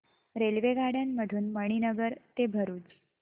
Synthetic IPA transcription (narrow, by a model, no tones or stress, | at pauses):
ɾelʋeɡaɽjanməɽʱuːnməɳ̃inəɡəɾt̪ebʱəɾuːt͡s